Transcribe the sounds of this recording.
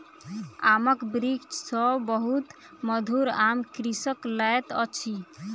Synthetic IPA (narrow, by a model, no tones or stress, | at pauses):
aməkbɾikt͡ʃsɔbəɦut̪ | məd̪ʱuɾamkɾisəklaɛt̪ɔ̰t͡ʃʰi